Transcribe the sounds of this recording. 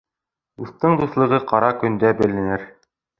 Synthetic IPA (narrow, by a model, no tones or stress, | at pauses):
uθt̪ɤɴd̪uθlˠɤ̆ʁɤqɑɾɑkɵ̆nd̪æbɘ̆lɘ̆nɘɾ